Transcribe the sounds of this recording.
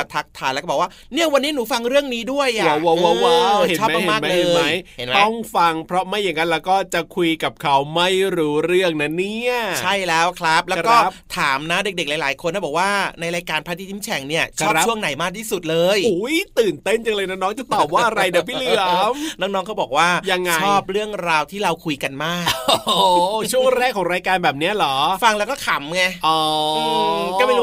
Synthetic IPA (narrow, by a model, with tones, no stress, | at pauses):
t̪ʰːa˦˥k̚t̪ʰaː˧jlɛ˦˥kːbɔː˨˩kwaː˥˩ | ni˥˩ɐwa˧nːiː˦˥nuː˩˦fa˧ŋɾɯ˥˩əŋniː˦˥du˥˩əjʔa˨a˨˧˦wa˧˦wa˧wa˦˨ɔː˥˩m˦ma˦˧emː˨˥˩ma˦lɤeː˧mja˦˥jhe˩˦nmt̪ɔ˥˩ŋfa˧ŋpʰɾɔ˦˥ma˥˩jːe˨˦nka˧nlɛː˦˥wkɔː˥˩t͡ɕa˨˩kʰu˧jka˨˩p̚kʰa˦˥wma˥˩jɾuː˦˥ɾɯ˥˩əŋna˦˥nːi˥˩ət͡ɕʰa˥˩jlɛː˦˥wkʰɾa˦˥p̚lːkɔː˥˩˦t̪ʰaː˩˦mna˦˥de˨˩k̚de˨˩klaː˨˦jlaː˩˦jkʰo˧nːa˦˥˩bɔː˨˩k̚waː˥˩na˧jɾaː˧jkaː˧npʰaː˦˥t̪i˧˩t̪ʰiː˦˥mt͡ɕʰɛ˨˩ŋni˥˩ɐt͡ɕ̚ʰːu˥˩əŋna˨˩˦jmaː˥˩k̚t̪ʰiː˥˩su˨˩t̪̚lɤː˧ju˨˩˦jt̪ɯː˨˩nt̪e˥˩nt͡ɕa˧ŋlɤː˧jnɔː˥˩nɔː˦˥ŋt͡ɕa˨˩t̪ɔː˨˩p̚waː˧˥˩ʔa˧ɾa˧jda˨˩˦pʰiː˥li˧˩mnɔː˧˥˩ŋnɔː˦˥ŋkʰwbɔː˨˩k̚waː˥˩ja˧ŋːat͡ɕʰɔː˥˩p̚ɾɯ˥˩əŋɾaː˧wt̪ʰiː˥˩ɾa˧wkʰu˧jka˧nmaː˥˩kː | t͡ɕʰu˥˩əŋɾɛː˥˩kʰːɔː˨˩˦ŋɾaː˧jkaː˧nbɛː˨˩p̚ni˦˥ɐlɔː˩˦fa˧ŋlɛ˦˥wkɔː˥˩kʰa˨˩˦mŋa˧ʔɔː˧˩ | kːɔ˥˩pe˧n